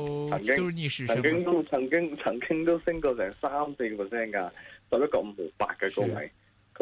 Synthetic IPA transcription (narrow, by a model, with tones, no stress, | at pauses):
t͡sʰɐ˨˩ŋkɪ˥ŋʰɐ˨˩ŋkɪ˥ŋt̪o˥wt͡sʰɐ˨˩ŋkɪ˥ŋt͡sʰɐ˨˩ŋkɪ˥ŋt̪o˥wsɪ˥ŋkɔː˧sɛː˨˩ŋsaː˥mse˧jpʰə˨˩sɛː˥nkaː˧sɐ˨p̚jɐ˥t̚kɔː˧m̩˧pʰo˨˩pa̰ː˧k̚kːɛ˧ko˥ŋwɐ̰˨˩j | kʰ